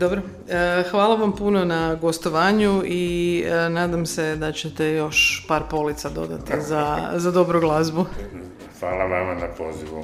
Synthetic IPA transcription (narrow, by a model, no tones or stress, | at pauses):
d̪obɾo | əxʋaːlˠaʋampunonaɡo̞st̪oʋaːɲuʔinaːd̪amsed̪at͡ɕet̪ejo̞ʃpaɾpo̞lit̪sad̪o̞̰d̪a̰t̪izazad̪o̞bɾuɡlˠaːzbu | xaːlˠaʋamanapo̰ːziʋṵ